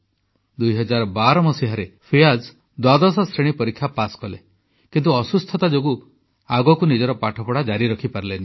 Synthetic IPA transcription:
d̪ujɦɔd͡ʒaɾɔbaɾɔmɔsiɦaɾepʰijad͡ʒ | d̪wad̪ɔs̬ɔsɾeɽ̃ipɔɾikʰːjapaskɔle | kint̪uɔsust̪ʰɔt̪ad͡ʒoɡu | aɡɔkunid͡ʒɔɾɔpaʈʰɔpɔɽad͡ʒaɾiɾɔkʰipaɾileni

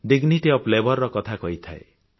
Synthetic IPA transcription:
ɖiɡniʈiɔplebɔɾːɔkɔt̪ʰakɔit̪ʰaḛ

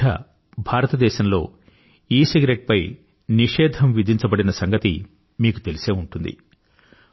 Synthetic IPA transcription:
ɐ̰ | bʱaːɾɐt̪ɐd̪ɛːʃɐmlo̞̰ː | iːsiɡɾeʈ̚pɐj | niʂɛːd̪ʱɐmʋid̪ʱiɲt͡ʃɐbɐɽinɐsɐŋɡɐt̪ḭ | miːku̥t̪e̞lise̞ːuɳʈund̪ḭ

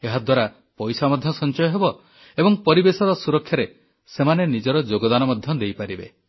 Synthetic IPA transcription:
eɦad̪waɾa | pɔjsamɔd̪ʱjɔsɔnt͡ʃɔjɔɦebɔ | ebɔŋpɔɾibesɔɾɔsuɾɔkʰːjaɾe | semanenid͡ʒɔɾɔd͡ʒoɡɔd̪anɔmɔd̪ʱjɔd̪ejpaɾibḛ

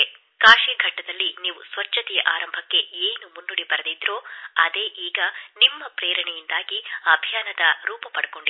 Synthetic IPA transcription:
e | kaːʂiːɡʱɐʈːɐd̪ɐlːiniːʋusʋɐt͡ʃːɐt̪ɛjɐʔaːɾɐmbʱɐkːe̞eːnumunːuɽibɐɾɐd̪id̪ɾo̞ːɐd̪eːʔiːɡɐnimːɐpɾeːɾɐɳɛjind̪aːɡiɐbʱijaːnɐd̪ɐɾuːpɐpɐɽɐko̞ɳɖi

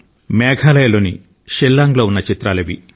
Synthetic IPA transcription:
mɛːɡʱaːlɐjɐloːni | ʃelːaːŋɡloːunːɐt͡ʃit̪ɾaːlɐʋi

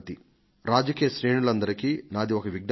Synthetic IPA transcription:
t̪i | ɾaːd͡ʒɐkiːjɐʃɾeːɳulɐnd̪ɐɾikinaːd̪iɔkɐʋiɡn

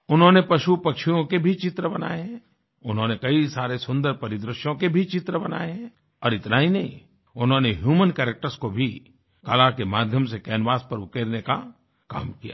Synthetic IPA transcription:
ʊnɦõnepɐʃupɐkʃijõkebʱit͡ʃɪt̪ɾəbɐna̰ːeɦɛ̃ | ʊnɦõːnekɐisaːɾesʊ̃nd̪əɾpɐɾɪd̪ɾɪʃjõkebʱit͡ʃɪt̪ɾəbɐna̰ːeɦɛ̃ | ɔːɾɪt̪naɦinɐɦĩ | ʊnɦõneɦjuːmənkɛːɾek̚ʈəɾskobʱi | kalakemaːd̪ʱjəmsekɛːnʋaːspɐɾʊkeːɾneka̰ | ka̰ːmkija̰

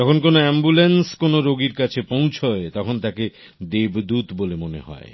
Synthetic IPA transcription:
d͡ʑɔkʰonkonoɛmbulenskonoɾoɡiɾkat͡ɕʰepõw̃t͡ɕʰoet̪ɔkʰont̪ake | d̪ebd̪ut̪bolemonḛɦɔ̰e

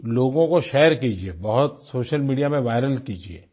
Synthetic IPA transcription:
loːɡõkoʃɛːɾkiːd͡ʒieːbɐɦʊt̪soːʃəlmiːɖijamẽʋaːɪɾəlkiːd͡ʒiḛː

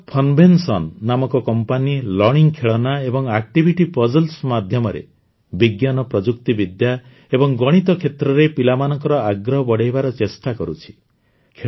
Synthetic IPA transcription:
pʰɔnbʱensɔnːamɔkɔkɔmpanilɔɽiŋkʰeɭɔnaebɔŋak̚ʈibʱiʈipɔd͡ʒɔlsmad̪ʱjɔmɔɾḛ | biɡjanɔpɾɔd͡ʒukt̪ibid̪ja | ebɔŋɡɔɽ̃it̪ɔkʰet̪ɾɔɾepilamanɔŋkɔɾɔaɡɾɔɦɔbɔɽejbaɾɔt͡ʃesʈakɔɾut͡ʃʰi̥ | kʰe

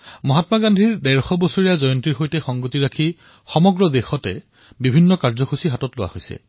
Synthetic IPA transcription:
mɔɦatmaɡandʱiɹdɛɹxɔbɔsoɹijazɔjɔntiɹxojtɛxɔŋɡutiɹakʰi | xɔmɔɡɹɔdexɔtɛ | bibʱinːɔkaɹzɔxʰusiɦatɔtlʊwa̰hojsɛ̰

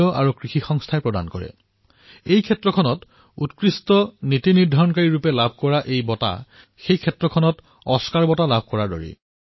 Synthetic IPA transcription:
ɔʔa̰ɹukɹixixɔŋstʰaɛpɹɔda̰nkɔɹɛ̰ | ejkʰɛtɹɔkʰɔnɔt | utkɹistɔnitiniɹdʱaɹɔnkaɹiɹupɛlabʱkɔɹaʔejbɔta̰ | xejkʰɛtɹɔkʰɔnɔt | ɔskaɹbɔtalab̚ʱkɔɹadɔ̰ɹḭ

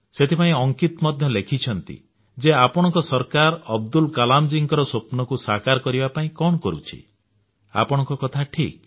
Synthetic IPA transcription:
set̪ʰipaĩɔŋkit̪ɔmɔd̪ʱjɔlekʰit͡ʃʰɔnt̪ḭ | d͡ʒeapɔɽ̃ɔ̃ŋkɔsɔɾkaɾɔbd̪ulkalamd͡ʒiŋkɔɾɔsopnɔkusakaɾkɔɾibapaĩkɔɽɔkɔɾut͡ʃʰḭ | a̰pɔɽ̃ɔ̃ŋkɔkɔt̪ʰaʈʰḭk̚

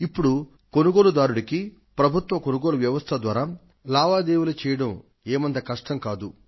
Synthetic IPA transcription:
ipːuɽu | ko̞nuɡoːlud̪aːɾuɽiki | pɾɐbʱut̪ʋɐkonuɡoːluʋjɐʋɐst̪ʰɐd̪ʋaːɾaː | laːʋaːd̪eːwulɐt͡ʃɛːjɐɽɐm | eːmɐnd̪ɐkɐʂʈɐmkaːd̪u

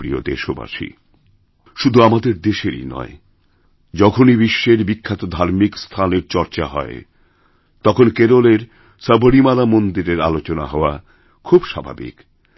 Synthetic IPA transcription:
ɾio̰d̪ḛʃoba̰ʃḭ | ʃud̪ʱuamad̪eɾd̪eʃeɾḭnɔ̰e | d͡ʑɔkʰonibiʃːeɾbikʰːat̪od̪ʱaɾmikst̪ʰaneɾt͡ɕɔɾt͡ɕaɦɔ̰e | t̪ɔkʰonkeɾoleɾ | səboɽimalamond̪iɾeɾalot͡ɕona̰ɦɔoa | kʰubʃabʱa̰bḭk

